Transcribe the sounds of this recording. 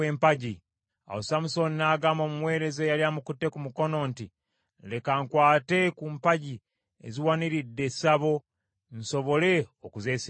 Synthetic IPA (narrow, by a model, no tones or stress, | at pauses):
empaɟi | a̰wosamuso̞ninaːɡaːmo̞ːmumwe̞ːɾe̞zejaljamukutːe̞kumuko̞no̞nti | nle̞kaŋkwaːte̞kuːmpaɟi | ḛziwaniɾidːe̞saβo̞ | nso̞βo̞le̞okuze̞ːs